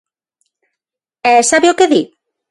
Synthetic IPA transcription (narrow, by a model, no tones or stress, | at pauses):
ɛsaβeokeði